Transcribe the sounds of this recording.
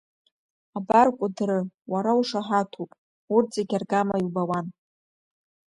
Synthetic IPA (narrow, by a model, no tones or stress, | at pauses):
abarkʷʼʊdrɨwaɾauʂaħatʰupʼ | urd͡zaɡʲarɡamailbawan